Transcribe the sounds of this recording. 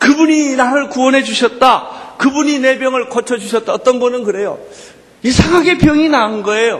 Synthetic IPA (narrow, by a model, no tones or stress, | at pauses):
kɯbuɲinaɾɯɭkuwʌnɦe̞d͡ʑuɕʰʌt̚t͈akɯbuɲine̞bjʌŋɯɭkʌt͡ɕʰʌd͡ʑuɕʰʌt̚t͈aʌt͈ʌnɡʌnɯnkɯɾe̞jo̰ | isʰaŋɦaɡe̞pjʌŋinaɯnɡʌe̞jo